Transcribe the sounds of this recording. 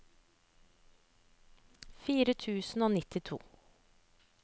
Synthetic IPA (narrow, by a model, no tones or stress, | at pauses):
fiːɾət̪ʰʉːsn̩oːnɪt̪ɪt̪ʰṵː